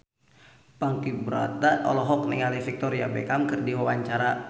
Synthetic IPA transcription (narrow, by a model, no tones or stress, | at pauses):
paŋkibɾa̰t̪aʔɔ̰lɔɦɔk̚niŋalifik̚t̪ɔɾiabɛ̰kamkɨrdiwawaɲt͡ʃaɾa